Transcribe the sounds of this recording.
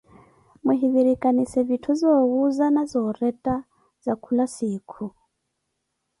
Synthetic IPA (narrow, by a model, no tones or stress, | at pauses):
muɦiβiɾikʼanisɛvitʰuzɔɣuzanazɔːrɛtʼa | zakʰulasiːkʰu